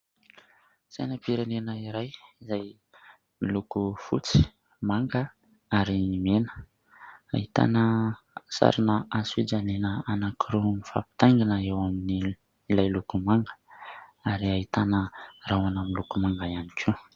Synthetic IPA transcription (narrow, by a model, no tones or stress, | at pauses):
sa̰nəpiɾenenəiɾajizaj | milukufṵt͡si̥ | maŋɡə | aɾimenə̥ | a̰it̪a̰nə | sa̰ɾinəasid͡ʒanenəanakʰiɾuifa̰pi̥t̪aŋɡinəewamini | ilajlukumaŋɡə̥aɾiait̪anərawanamilukumaŋɡajanikʰʲu